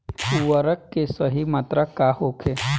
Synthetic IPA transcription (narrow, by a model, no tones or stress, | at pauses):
uʋəɾəkːesəɦimat̪ɾakahokʰe